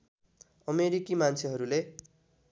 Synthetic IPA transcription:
ʌmeɾikimant͡sʰeɦʌɾule

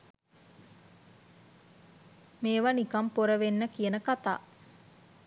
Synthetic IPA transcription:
meːʋanikampoɾəʋenːəkijənəkat̪a̰ː

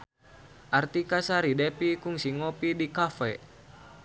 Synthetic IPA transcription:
ʔart̪ikasaɾidɛpikuŋsiŋɔpidikafɛ

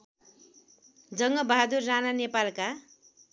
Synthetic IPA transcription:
d͡zʌŋɡʌbaɦad̪urːananepalka

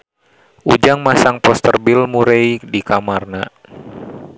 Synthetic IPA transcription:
ʔud͡ʒaŋmasaŋpɔst̪ərbilmuɾejdikamarna

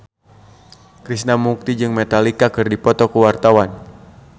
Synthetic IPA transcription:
kɾisnamuk̚t̪id͡ʒɨŋmɛt̪alikakɨrdipɔt̪ɔkəwart̪awan

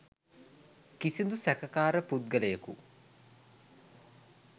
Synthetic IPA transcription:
kisind̪usækəkaːɾəpud̪̚ɡələjəkṵ

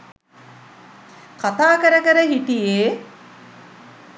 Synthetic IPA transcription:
kat̪aːkəɾəkəɾəɦiʈijeː

